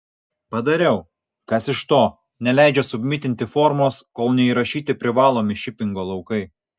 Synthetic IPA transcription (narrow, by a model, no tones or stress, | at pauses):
pɐd̪ɐɾʲɛʊ | kɐsɪʃt̪oː | nʲɛlʲæˑɪd͡ʒʲɛsʊbʲmʲɪt̪ʲɪnʲt̪ʲɪfɔɾmoːskoːlˠnʲɛiɾɐʃʲiːt̪ʲɪpʲɾʲɪʋɑːlˠoːmʲɪʃʲɪpʲɪŋɡoːlˠɐʊkɐɪ